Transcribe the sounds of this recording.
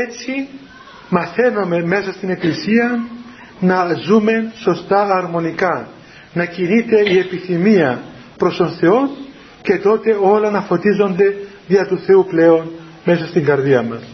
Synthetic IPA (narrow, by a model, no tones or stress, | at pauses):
et͡si | mɐθe̞no̞me̞me̞sɐst̪ine̞klisiɐ | nɐzume̞so̞st̪ɐːɾmo̞nikɐ | nɐcinit̪e̞ie̞piθimiɐ | pɾost̪o̞nθe̞o̞n | ce̞t̪o̞t̪e̞o̞lɐnɐfo̞t̪izo̞nd̪e̞ðiɐt̪uθe̞uple̞o̞n | me̞sɐst̪iŋɡɐɾðiɐmɐs